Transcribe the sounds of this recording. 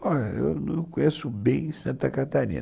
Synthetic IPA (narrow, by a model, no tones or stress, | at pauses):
ɔʎɐḛwnɐ̃kõjesʊbẽj̃sɐ̃nt̪ɐkat̪aɾḭ̃nɐ